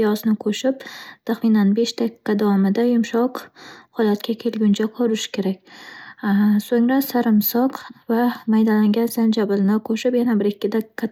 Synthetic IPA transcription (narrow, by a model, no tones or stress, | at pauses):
jɒsnɪkʰoʃɪp̚t̪ʰaχmɪnanbe̞ʃt̪ʰakɪ̥qːɑd̪awɒmɪd̪ajʊmʃɒqhɒlat̪̚kʲʰakʲʰe̞lɡʲʊnt͡ʃʰaqʰɒɾɪʃkʲʰe̞ɾakʲ | soŋɾasaɾɪmsɒqvamajd̪alaŋɡʲansand͡ʒabɪlnakʰoʃɪpjanabɪɾɪkʲːɪd̪akkʰːa